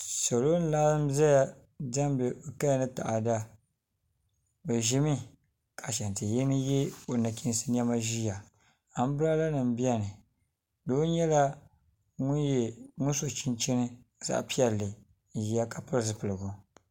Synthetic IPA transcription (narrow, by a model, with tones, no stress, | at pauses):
so˨lo˦n̩˦la˦zɨ˦m˦za˦ja˦ | da˦m˦bɨ˨ka˦˨nɨ˦ta̰˨ʔa˨da˦ | bɛ˨ʒi˦mi˦ | kʰa˨ʃɛ˨n˨tɨ˨ji˦nɨ˦jɛ˦o˨na˨kʲi˦n˦sɨ˦n˦ɛ˦ma˦ʒi˦ja˨ | a˨m˦bɨ˦ɾa˦la˦nɨ˨m˨˦bi˦a˦nɨ˨ | doː˦ɲɛ˦la˦ | ŋʊ˦njɛ˨ŋʊ˦n˦so˨t͡ʃi˦nt͡ʃi˦nɨ˦ | z̥a̰˦ʔpi˦ɛ˨lːɨ˨ | ji˦a˦ka˨pɨ˦ɾsɨ˨pɨ˨lɨ˨ɡʊ˨